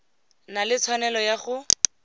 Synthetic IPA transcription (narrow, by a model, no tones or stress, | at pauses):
nalɪt͡sʰwanɛlɔjaχʊ